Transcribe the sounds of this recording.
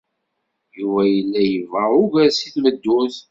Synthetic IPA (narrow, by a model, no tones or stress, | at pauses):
juvæjəlːæjəvaʊɡæsiθməd̪ːuθ